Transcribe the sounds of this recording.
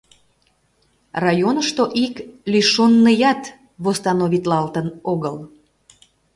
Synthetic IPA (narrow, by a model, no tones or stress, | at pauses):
rɑjonəʃt̪oʔiklyʃonːəjɑt̪ | βost̪ɑnoβit̪lɑlt̪ənoɣəl